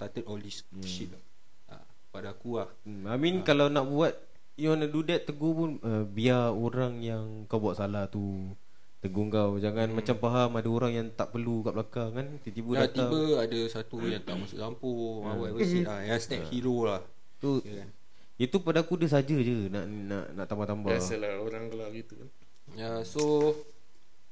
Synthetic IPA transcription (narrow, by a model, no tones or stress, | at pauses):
t̪at̪ət̪ɔlis | ʃit̪̚ | a̰ | padakulah | aminkalawnãʔbuat̪̚ | jɔnadudɛtt̪ːəɡopʊnəbiaoɾaŋjaŋ | kawbuat̪ʔ̪salaht̪u | t̪əɡoŋkawd͡ʒaŋãnmat͡ʃampaɦamadaoɾaŋjaŋt̪aʔpərlukablakakant̪it̪ibəat̪iabəadasat̪ujaŋt̪aʔmasʊʔsampʊŋawavəsiajaŋst̪ɛp̚hiɾolah | t̪u | n | jət̪upadaakudəs̬ad͡ʒəd͡ʒənaʔnna̰ʔna̰ʔt̪ambaht̪ambaaəlaoɾaŋkəlaɡit̪ukan | jaso